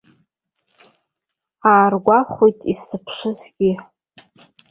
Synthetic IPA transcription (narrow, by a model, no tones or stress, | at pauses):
aːrɡʷaχʷojtʼisɨpʰʂɨzɡʲɪ